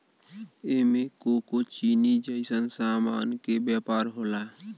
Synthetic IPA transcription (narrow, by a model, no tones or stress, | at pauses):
emekokot͡ʃinid͡ʒəɪsənsaːma̰ːnkebjapaːɾɦola